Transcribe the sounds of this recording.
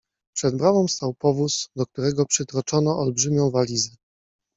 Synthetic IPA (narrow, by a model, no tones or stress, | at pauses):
pʂɛd̪̚bɾavɔ̃w̃st̪awpɔvusd̪ɔk̚t̪uɾɛɡɔpʂɘt̪ɾɔt͡ʂɔnɔʔɔlbʐɘmʲɔ̃w̃valʲizʲɛ